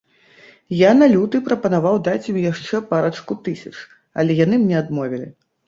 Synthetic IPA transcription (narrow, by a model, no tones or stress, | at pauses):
janalʲut̪ɨpɾɐpɐnavawd̪at͡sʲmʲjaʂt͡ʂɛpaɾɐt͡ʂkut̪ɨsʲɐt͡ʂ | ɐ̰lʲɛjanɨmnʲɛad̪mɔvʲilʲi